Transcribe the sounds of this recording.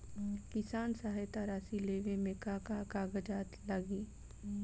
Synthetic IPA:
kɪsaːnsaɦjt̪aɾaːsileːɡẽmeːkakakaːɡəd͡ʒaːt̪ləɡiː

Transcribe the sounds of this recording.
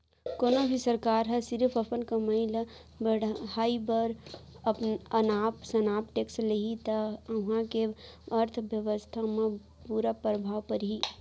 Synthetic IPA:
koːnobʱisəɾkaːɾɦɛsɪɾpʰəpənkaməil | bəɽhaːibəɾ | pənaːpsɐnaːpʈeːksleɦit̪ɐəɦãkeəɾt̪ʰʋjəʋəst̪ʰamẽ | puɾapɾəbʱaːʋpəɾɦi

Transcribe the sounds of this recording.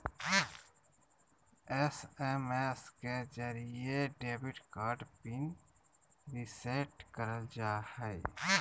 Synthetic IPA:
ɛsemesked͡ʒəɾieɖeːbɪʈkaːɾɖbɪn | ɾɪseʈkəɾd͡ʒaːhɛː

